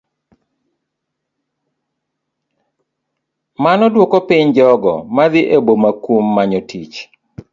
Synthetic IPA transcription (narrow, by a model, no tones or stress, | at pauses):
manɔdwɔkɔpiɲd͡ʒɔɡɔmad̪ɪʔebomakwomːaɲotʰit͡ʃ